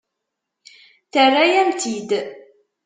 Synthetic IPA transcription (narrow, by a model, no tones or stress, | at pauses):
θərːajæmt̪ʰid̪